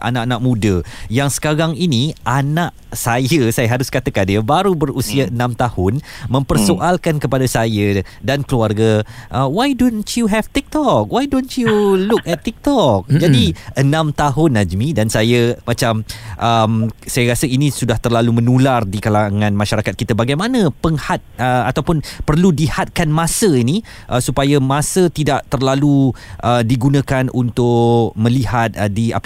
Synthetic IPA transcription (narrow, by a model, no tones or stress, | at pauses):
ʔa̰nãʔanãʔmũdəjaŋsə̥kaɾaŋiniʔanãʔ | sajəsajəɦaɾʊskat̪əkadəbaɾubərusiaənãmt̪ahʊnmə̃mpərsoʔalkankəpadasajədankəluarɡaʔəwajdontjuɦɛft̪ik̚t̪ɔk̚wajdontjulukɛt̪ːik̚t̪ɔk̚d͡ʒadiənãmt̪aɦʊnːad͡ʒmĩdansajəmãt͡ʃamʔəmsajaɾasəinĩsudaht̪ərlalumə̃nulardikalaŋãnmaʃaɾakat̪̚kit̪abaɡajmãnə̃pəŋhat̪̚əat̪awpʊnpərludihat̪̚kanmãsəini | ʔəsupajamãsət̪idaʔt̪ərlaluʔədiɡunãkanʔunt̪ʊʔmə̃lihat̪̚dia̰p